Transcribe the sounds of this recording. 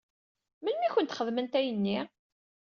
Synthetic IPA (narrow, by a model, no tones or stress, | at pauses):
mənmiçʷənt̪χəðmənt̪æjənːi